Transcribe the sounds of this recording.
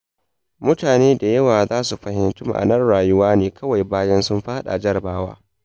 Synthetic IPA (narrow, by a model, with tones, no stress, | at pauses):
mʊ˦taː˨neː˦da˨jɐ˦waː˨zaː˦su˨ɸɐ˨hɪ˦ntʊ˦ma̰˨ʔa̰˨nɐ˦nɽaː˨jʊ˦waː˦neː˦kʰɐ˦wa˨jbaː˦jɐ˦nsʊ˦mɸa˦ha˦ɗa̰˨d͡ʒɐ˦ɾbaː˦wa̰ː˦